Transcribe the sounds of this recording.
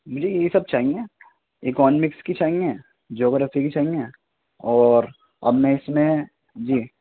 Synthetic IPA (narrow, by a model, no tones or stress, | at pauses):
d͡ʒiːjeisɐb̚t͡ʃaːɦĩŋɡeː | ɪkɔːnmɪkskit͡ʃaːɦĩŋɡeɛ̃ | d͡ʒoːɡəɾɐfikit͡ʃaːɦĩŋɡẽ | ɔːɾ | ɐ̰bmẽɪsmẽ | d͡ʒiː